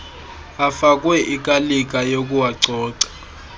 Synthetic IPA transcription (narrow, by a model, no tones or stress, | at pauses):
afakʼwɛʔikʼalik̬ʼajokʼuwaǀɔːǀḁ